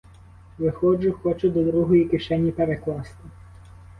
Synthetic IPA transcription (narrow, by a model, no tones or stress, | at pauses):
ʋɪxɔd͡ʒʊxɔt͡ʃʊd̪ɔd̪ɾuɦɔjikɪʃɛnʲipeɾeklˠɑst̪ɪ